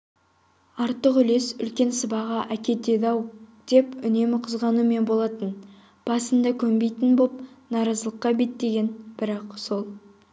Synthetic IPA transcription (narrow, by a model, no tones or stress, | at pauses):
ɑɾt̪ːəqʏle̞sʏ̰lkʲe̞nsəbɑʁɑʔækʲe̞t̪e̞d̪ɑwd̪̥e̞pʏne̞mɪqʰʊzʁɑnume̞nbo̞lˠɑt̪ən | b̥ɑsənd̪ɑkʲʰɵmbe̞jt̪ɪnbop̚nɑɾɑzəlˠəqːɑbe̞t̪ːe̞ɡʲe̞nb̥ɪɾɑqso̞lˠ